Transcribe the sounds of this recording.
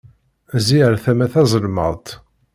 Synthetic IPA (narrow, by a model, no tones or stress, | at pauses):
ziəɾθæmæθæzˤəlmə̰ðˤt̪